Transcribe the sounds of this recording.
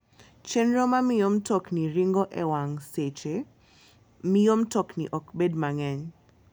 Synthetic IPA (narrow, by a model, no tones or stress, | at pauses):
t͡ʃɛnɾɔmamijɔm̩tɔkniɾiŋɡɔʔɛwaŋset͡ʃe | mijomtɔkniʔɔkbɛdmaŋɛɲ